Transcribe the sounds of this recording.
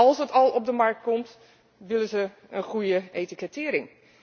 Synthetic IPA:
ɑlˠsdətɔlˠɔb̚dəmark̚t̚kɔmt | ʋɪlˠəzə | ənχujəeːtikətɪːəɾɪŋ

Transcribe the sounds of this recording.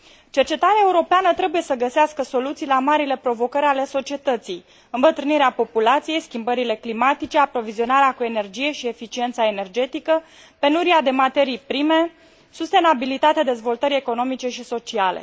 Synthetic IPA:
t͡ʃe̞rt͡ʃe̞t̪aɾeaeuɾo̞peanət̪ɾe̞buje̞səɡəseaskəso̞lut̪sijlamaɾile̞pɾo̞vo̞kəɾʲale̞so̞t͡ʃie̞t̪ət̪sij | ɨmbət̪ɾɨniɾeapo̞pulat̪sije̞jskʲimbəɾile̞klimat̪it͡ʃe̞apɾo̞vizio̞naɾeakue̞ne̞rd͡ʒije̞ʃie̞fit͡ʃie̞nt̪sae̞ne̞rd͡ʒe̞t̪ikə | pe̞nuɾiad̪e̞mat̪e̞ɾijpɾime̞ | sust̪e̞nabilit̪at̪ead̪e̞zvo̞lt̪əɾie̞ko̞no̞mit͡ʃe̞ʃiso̞t͡ʃialḛ

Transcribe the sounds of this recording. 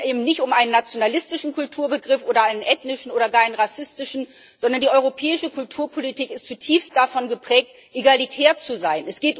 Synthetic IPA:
ʔeːbm̩nɪçtʊmʔaɪnənːat͡sjonalɪstɪʃn̩kʰʊltʰuːɐbəɡʁɪfʔoːɾɐʔaɪnənʔɛtnɪʃn̩ʔoːɾɐɡaːɐaɪnənʁasɪstɪʃn̩ | z̥ɔndɐndiːʔɔʏʁ̞opʰɛːɪʃəkʰʊltʰuːɐpʰolitʰiːkɪstt͡sutʰiːfstd̥afɔnɡəpʁ̥ɛːk̚t | ʔeɡalitʰɛːɐt͡suzaɪnɛsɡ̥eːt

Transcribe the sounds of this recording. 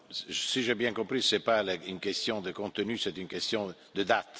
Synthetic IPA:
siʒɛbjɛ̃kɔ̃pɾisɛpalynkɛst̪jɔ̃d̪əkɔ̃t̪ənysɛt̪ynkɛst̪jɔ̃d̪əd̪at̪

